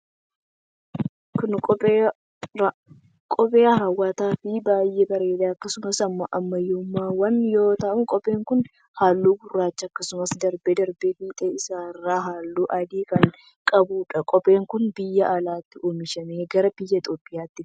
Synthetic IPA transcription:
kʊnkʼɔpʼː | kʼɔpʼeːɐɦɐwːaːt̪aːfɪbaːjʔebɐɾe̞ːᶑ̪aːɐkːɐsʊmɐsɐmːɐʔɐmːɐjumːaːwɐnjo̞ːt̪ɐːʔʊŋkʼɔpʼe̞ːŋkʊn | haːlːuːbʊrːaːt͡ʃːɐɐkːɐsʊmɐsd̪ɐɾbɛd̪ɐɾbefiːt̪ʼɛɪsaːrːaːɦaːlːuːʔɐd̪iːkɐŋ | kʼɐbuːᶑɐkʼɔpʼe̞ːŋkʊnbɪjːɐʔɐlaːt̪ːɪʔomɪʃɐmeːɡɐɾɐbɪjːɐt̪ʼoːpʼːɪjaːt̪ːɪ

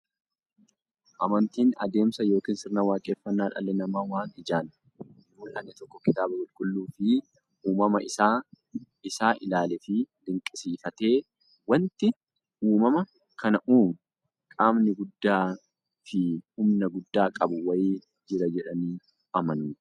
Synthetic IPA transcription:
ʔɐmɐnt̪iːnɐ̰d̪e̞ːmsɐjo̞ːkiːnsɪɾnawaːkʼe̞ːfːɐnːaːᶑɐ̰lːɛnɐmaːwaːnɪd͡ʒaːn | joːᶑɐnːɪt̪ɔkːɔkɪt̪aːbɐkʼʊlkʼʊlːuːfɪ | uːmɐmɐɪsaː | ɪsaːʔɪlaːlɛfɪd̪ɪŋkʼɪsiːfɐt̪e̞ː | wɐnt̪ɪ | uːmɐmɐ | kʰɐnɐʔuːm | kʼaːmnɪɡʊd̪ːaː | fɪhʊmnɐɡʊd̪ːaːkʼɐbʊwɐjiː | d͡ʒɪɾɐd͡ʒɛᶑɐniː | ɐmɐnuː

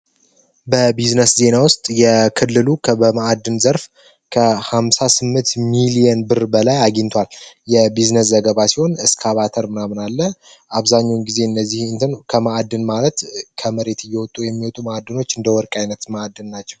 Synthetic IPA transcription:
bəbiznəsze̞nawʊst̪ʼjɛkʰɨlːɨlukʰəbəmaad̪ːɨnzəɾf | kʰəhamsasɨmːɨnt̪milijɛnbɨɾbəlajaɡint̪ʰwaljɛbiznəs̬zəɡəβasiho̞nɨskʰaβat̪ʰəɾmɨnamɨnalːə | ʔaβzaɲːawnɡize̞ɨnːəzːihɨnt̪ʰɨnkʰəmaʔad̪ːɨnmalət̪kʰəməɾe̞t̪ɨjːɛwɔt̪ʼːujɛmːiwɔt̪ʼumaad̪ːɨno̞t͡ʃːɨnd̪əwɔɾkʼajnət̪maad̪ːɨnːat͡ʃːɛw

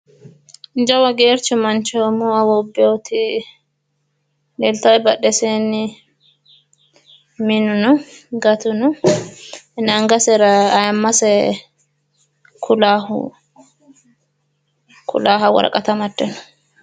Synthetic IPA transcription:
nd͡ʒɐwɐɡeːɾt͡ʃʊmɐnt͡ʃoːmʊɐwɔbːɛt̪ʰɪ | lelt̪ɐwjbɐɗɛseːnɪ | mɪnːʊnʊɡɐt̪ʊnʊ | naŋɡɐsɛɾɐjɐmːɐsɛ | kʰʊlaːhʊ̰ | kʰʊ̰laːɦɐwɐ̰ɾɐ̰kʼɐt̪ɐmɐd̪ːɛnɔ̥

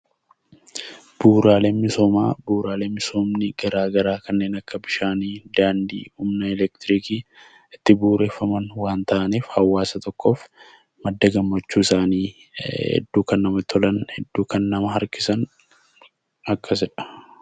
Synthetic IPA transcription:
b̥uːɾaːleːnmɪsoːma̰ːbuːɾaːleːmmɪsoːmnɪɡɐɾaːɡɐɾaːkɐnːe̞ːnɐkːɐbɪʃaːniːd̪aːnd̪ḭːhumnɐɛlɛkt̪ɪɾiːkiː | ɪt̪ːɪbuːɾe̞ːfːɐmɐnwaːnt̪ɐʔɐniːfhɐwːaːsɐt̪ɔkːo̞ːf | mɐd̪ːɐɡɐmːɐt͡ʃːuːɪsaːniː | hɛ̰d̪ːuːkɐnːɐmɐt̪ʰɔlɐnhɛd̪ːuːkɐnːɐmɐɦɐɾkɪsɐn | ɐkʰːɐs̬ɛᶑɐ̥

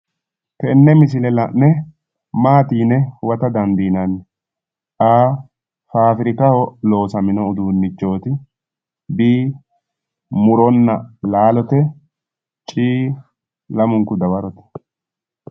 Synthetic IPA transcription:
tɛnːɛmɪsɪlɛlɐʔnɛ | maːt̪iːnɛwɐt̪ɐd̪ɐnb̪iːnɐnːɛ | aː | faːfɪɾɪkɐhɔlo̞ːsɐmɪnɔʊd̪uːnːɪt͡ʃːo̞ːt̪ɪ | biː | mʊɾɔnːɐlaːlɔt̪ɛ | t͡ʃʼiː | lɐmʊŋkʊd̪ɐwɐɾɔt̪ɛ̥

